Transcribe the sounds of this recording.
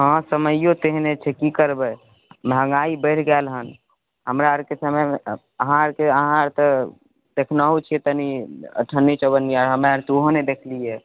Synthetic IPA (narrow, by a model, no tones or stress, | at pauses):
ɦə̃səməjjot̪eɦnet͡ʃʰɛkikəɾbə | bʱə̃ŋɡaibəɪʈʰɡɛlɦən | ɦəmɾaəɾkesəməj | əɦãəɾkeəɦãɾt̪ə | d̪ekʰnəɦut͡ʃʰiɛt̪əniə̰ʈʰənːit͡ʃəbəniaɾɦəmeəɾt̪oɦoned̪ekʰlije